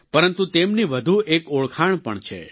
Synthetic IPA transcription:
pəɾənt̪ut̪emniʋəd̪ʱuʔekoɭkʰaɳ̃pəɳt͡ʃʰḛ

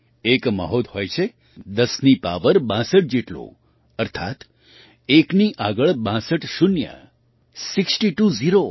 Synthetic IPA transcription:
ekmə̰ɦot̪ɦojt͡ʃʰe | d̪əsnipa̰ʋəɾbãsəʈ̚d͡ʒeʈlõ̰ | əɾt̪ʰa̰t̪ | ekniʔaɡəɭbãsəʈʃunjə̰ | siksʈiʈuziɾo

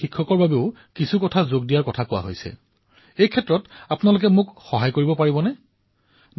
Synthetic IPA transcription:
ikʰːɔkɔɹbabeʊ | kisʰukɔtʰazoɡdijaɹkɔtʰakʊwa̰ɦojsɛ̰ | ejkʰɛtɹɔtapʊnalʊk̬ɛmʊkxɔɦajkoɹibɔpaɹibɔnɛ

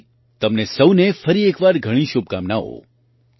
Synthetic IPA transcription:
t̪əmnesəwnefəɾiekʋaɾɡʱəɽ̃ĩʃʊb̚kamnao̰

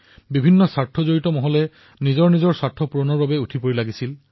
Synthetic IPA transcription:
bibʱinːɔsaɹtʰɔzoɹitɔmɔɦɔlɛ | nizɔɹnizɔɹsaɹtʰːɔpuɹɔnɔɹbabɛutʰipoɹilaɡisil

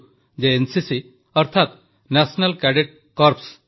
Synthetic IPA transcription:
d͡ʒeensisi | əɾt̪ʰat̪ | nɛsnalkɛɖeʈ̚ | kɔɾps

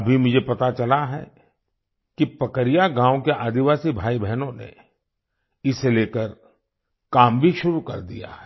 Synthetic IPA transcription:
bʱimʊd͡ʒʱepɐt̪at͡ʃɐlaɦɛ̰ː | kipɐkəɾijaɡãːokeʔaːd̪iʋaːsibʱaːibʱɛɦnõnḛ | ɪseleːkəɾ | kaːmbʱiʃʊɾukɐ̰ɾd̪ḭja̰ɦɛ

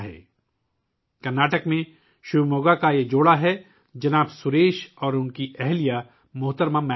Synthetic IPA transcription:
ɦɛ̰ː | kɐɾnaːʈəkmẽ | ʃʊbmoːɡakajed͡ʒoːɽaɦɛ | d͡ʒɐnaːbsʊɾeːʃɔːɾʊnkiɛɦlija | mʊɦt̪əɾmãmɛ

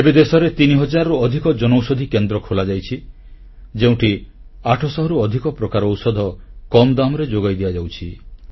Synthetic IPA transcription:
ebed̪esɔɾet̪iniɦɔd͡ʒaɾɔɾuɔd̪ʱikɔd͡ʒɔnowsod̪ʱikend̪ɾɔkʰolad͡ʒajt͡ʃʰi | d͡ʒeũʈʰi | aʈʰɔsɔɦɔɾuɔd̪ʱikɔpɾɔkaɾɔwsɔd̪ʱɔkɔmd̪amɔɾed͡ʒoɡajd̪iad͡ʒawt͡ʃʰi

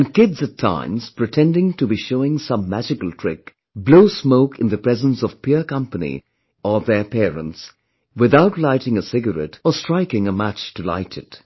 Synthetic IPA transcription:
ɨ̃nkɪdzɨtʰã̰ɪ̃mz̥pɹ̥ɨtʰɛ̃ndɪ̃ŋtɨbiʃoʊɪ̃ŋsʌ̃mːæd͡ʒɪkəl̩ˠtʰɹ̥ɪk | bloʊsmoʊkʰɨ̃nðɨpɹ̥ɛzə̃nsɔv̥pʰɪɹkʌ̃mpənḭ | ʔəðə˞pʰɛːɹə̰̃nts | wɪðaʊtˡlaɪɾɪ̃ŋəsɪɡəɹɛ̰təstɹ̥aɪkɪ̃ŋəmæt͡ʃtɨla̰ɪɾɨt

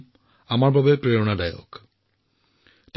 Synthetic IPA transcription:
amaɹbabɛpɹeɹɔnadajɔ̰k | t

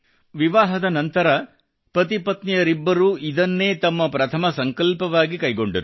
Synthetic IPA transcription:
ʋiʋaːɦɐd̪ɐnɐnt̪ɐɾɐ | pɐt̪̬ipɐt̪nijɐɾibːɐɾuːid̪ɐnːe̞ːt̪ɐmːɐpɾɐt̪ʰɐmɐsɐŋkɐlpɐʋaːɡikɐjɡo̞ɳɖɐɾu

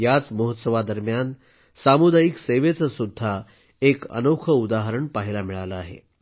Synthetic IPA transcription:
jat͡sməɦət̪səʋad̪əɾmjan | samud̪ʱajikseʋet͡səsud̪ʱːa | ekə̰nokʰəud̪aɦəɾəɳpaɦilamiɭaləaɦḛ

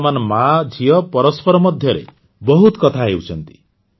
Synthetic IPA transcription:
manmad͡ʒʱijʌpɔɾɔspɔɾɔmɔd̪ʱjʌɾḛ | bɔɦut̪kʌt̪ʰaɦewt͡sʰʌnt̪i̥

